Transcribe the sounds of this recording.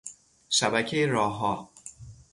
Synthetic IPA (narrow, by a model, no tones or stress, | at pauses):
ʃæbæcʰejeɾɒːɦɒː